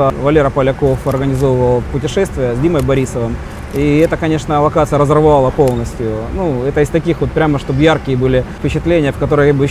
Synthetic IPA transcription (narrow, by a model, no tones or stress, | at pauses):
əvɐlʲeɾəpəlʲɐkofɐrɡənʲɪzo̞vəvəlˠpʊtʲɪʂɛst̪vʲɪjəzʲdʲiməjbɐɾʲisəvɨm | iɛt̪əkɐnʲe̞ʂnəlˠɐkat̪sɨjəɾəzərvɐvalˠəpo̞lˠnəsʲtʲjʊnuɛt̪əɪst̪ɐkʲixvo̞t̪̚pɾʲaməʂt̪o̞bjarkʲɪjəbɨlʲɪfpʲɪt͡ɕɪt̪lʲenʲɪjəfkɐt̪o̞ɾəjbɨ